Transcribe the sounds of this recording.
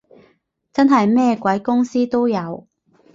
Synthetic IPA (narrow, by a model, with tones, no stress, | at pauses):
t͡sɐ˥nɦɐ˨jmɛː˥kʷɐ˨˥jkʊ˥ŋsiː˥t̪o˥wjɐ˨˧w